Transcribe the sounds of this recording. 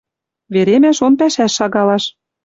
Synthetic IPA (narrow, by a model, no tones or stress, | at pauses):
βeɾemæʃonpæʃæʃːɑɣɑlɑʃ